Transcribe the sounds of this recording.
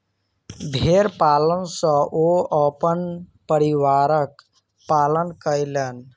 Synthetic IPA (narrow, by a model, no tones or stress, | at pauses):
bʱeɾpaːlənsə̃ʔoəpənpəɾiwaːɾək | paːlənkəɪlən